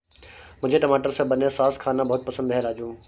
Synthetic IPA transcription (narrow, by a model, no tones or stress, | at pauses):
mʊ̃ɦɪ̃ɲd͡ʑeʈɐmaːʈəɾsẽbɐnẽsaːskʰaːnãbɐɦʊt̪̚pɐsə̃nd̪ɦɛ̃ɾaːd͡ʑũː